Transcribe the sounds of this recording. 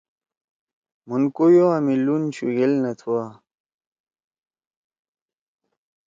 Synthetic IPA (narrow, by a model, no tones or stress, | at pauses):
munkujoamilunɕuɡelnɐt̪ʰua